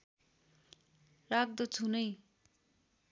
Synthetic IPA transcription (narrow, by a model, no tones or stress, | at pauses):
rak̚d̪ʌt͡sʰunʌj